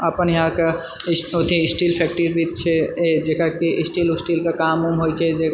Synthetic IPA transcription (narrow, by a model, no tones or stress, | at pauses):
əpənjɐɦãke | ot̪ʰiɪsʈiːlpʰɛːk̚ʈiɾbʱit͡ʃʰɛed͡ʒekakiɪsʈiːlʊsʈilkakaːmumɦojt͡ʃʰɛd͡ʒe